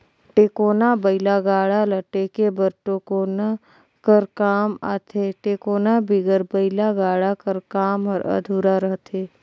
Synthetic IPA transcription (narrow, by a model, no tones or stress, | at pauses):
ʈeːkoːnabəɪlaɡaːɽaləʈeːkebəɾʈokoːna | kəɾkaːma̰ːt̪ʰeʈekoːnabʱɪɡəɾbəɪlaɡaːɽakəɾkaːmɦəɾə̰d̪ʱuːɾaɾəɦt̪ʰeː